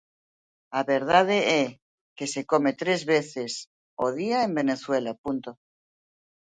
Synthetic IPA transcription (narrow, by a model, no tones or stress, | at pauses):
aβe̞ɾð̞að̞ee | ke̞se̞ko̞me̞t̪ɾe̞zβe̞θe̞s | oð̞iaembe̞ne̞θwe̞lapunt̪o